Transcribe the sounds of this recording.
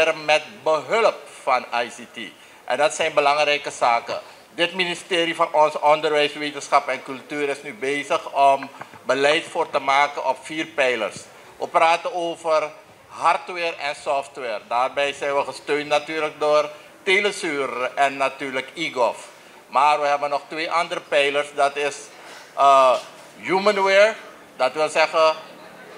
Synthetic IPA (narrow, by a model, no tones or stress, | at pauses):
ɾəmɛt̚bəɦɵləp̚fɑnajsitḭ | ʔɛ̰ndɑtsɛjnbəlɑŋrɛjkəsaːkə̰ | dɪtministeːɾifɑnɔnsəɔndərʋɛjsʋeːtənsχɑpɛnkɵltyːɾɪsnybeːzəχɔmbəlɛjtfoːrtəmaːkənʔɔpfiːrpɛjlə̰rs | ʋə̰praːtəoːfər | ɦɑrtwɛːrɛnsɔftʋɛːrdaːrbɛjsɛjnʋəχəstøːntnatyːrlək̚doːr | teːləsyːrɛnːatyːɹləkiɡof | maːrʋəɦɛbənɔχtʋeːʔɑndəɾəpɛjlərsdɑtɪs | ə | jumənwɛːɹ | dɑtʋɪlˠsɛχə